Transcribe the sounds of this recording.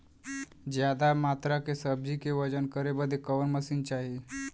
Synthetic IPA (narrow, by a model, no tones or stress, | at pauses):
d͡ʑjad̪amat̪ɾakesəb̚d͡ʑikeʋəd͡ʒənkəɾebəd̪ʱekəʋənməsiːnt͡ʃaɦi